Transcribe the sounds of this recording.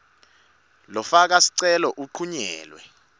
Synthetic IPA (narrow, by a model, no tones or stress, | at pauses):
lɔfak̬asi̥ǀɛlɔʔuǃʰuɲɛ̰ːlwɛ